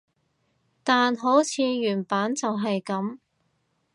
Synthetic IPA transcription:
t̪aː˨nɦo˨˥wt͡sʰiː˨˧jyː˨˩npaː˨˥nt͡sɐ˨wɦɐ˨jkɐ˨˥m

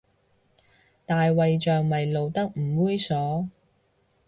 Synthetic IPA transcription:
t̪aː˨jwɐ˨jt͡ʃœː˨ŋmɐ˨jlo˨wt̪ɐ˥k̚m̩˨˩wuː˥jsɔː˨˥

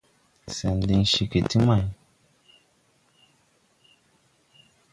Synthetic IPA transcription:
sɛ˨ndi˧ŋʃi˨ki˨ti˦ma˨j

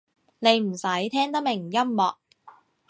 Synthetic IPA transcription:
ne˨˧jm̩˨˩sɐ˨˥jt̪ʰɛː˥ŋt̪ɐ˥mɪ˨˩ŋjɐ˥mːɔː˨k̚

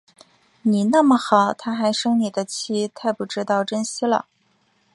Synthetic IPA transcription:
ni˨˩na˥˩mə˩xɑ˨˩˦ʊt̪ʰa˥xa˧˥ɪʂɤ˥ŋni˨˩d̪ə˦t͡ɕʰi˥t̪ʰa˥˧ɪpu˧˥˩ʈ͡ʂɻ̩˥t̪ɑ˥˩ʊʈ͡ʂə˥nɕi˥lə̰˨

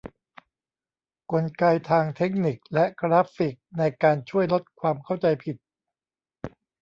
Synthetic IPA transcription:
ko˧nkaː˧jt̪ʰaː˧ŋt̪ʰe˦˥k̚ni˨˩k̚lɛ˦˥ʔkʰɾaː˦˥fi˨˩k̚na˧jkaː˧nt͡ɕʰu˥˩əjlo˦˥t̪̚kʰwaː˧mkʰa˥˩wt͡ɕa˧jpʰi˨˩t̪̚

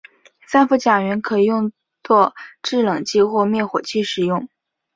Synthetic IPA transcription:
sa˥nfu˧˥t͡ɕja˨˩ɥɛ˧˥nkʰɤ˧˥i˨˩jʊ˥˧ŋ | t͡swɔ˥˧ʈ͡ʂɻ̩˥˩lɤ˨˩ŋt͡ɕi˥xwɔ˥˧mjɛ˥˩xwɔ˨˩t͡ɕʰi˥˩ʂɻ̩˨˩jʊ˥˩ŋ

